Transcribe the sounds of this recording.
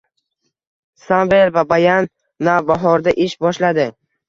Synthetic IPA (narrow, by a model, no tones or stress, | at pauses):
sambelvabajanː | avbaɦɒɾd̪aʔɪʃbɒʃlad̪ɪ